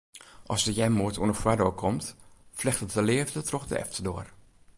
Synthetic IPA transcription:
ʔɔsdəjɛmːuətʰuənəfwɛdokʰɔmtflɪxtətəlɪəvdətrɔxdə̰ɛ̰ftʰədoːər

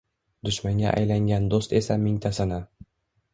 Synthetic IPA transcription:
d̪ʊʃmaŋɡʲa̰ʔa̰jlaŋɡʲand̪ost̪e̞samɪŋt̪ʰasɪnɪ

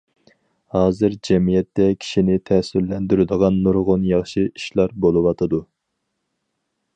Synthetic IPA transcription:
hɑːzɨɾd͡ʒɛmijɛt̪ːɛkʲʰi̥ʃinɪt̪ʰɛsyɾlːɛnd̪yɾɪd̪əʁɑnːuɾʁonjɑχʃɨiʃlˠɑɾbolˠɨwɑt̪ʰɨd̪u

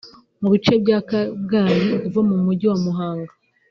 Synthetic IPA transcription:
muβit͡ʃe̞bɟakabɡaːniuvamumuɟiwamuɦaːŋɡa

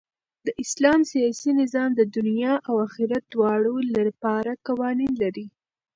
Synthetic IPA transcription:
d̪̥əʔɪslɑmsijɑsinɪzɑmd̪əd̪ʊnjɑʔawaxɪɾat̪̚d̪wɑɽolapɑɾakawɑninlaɾi

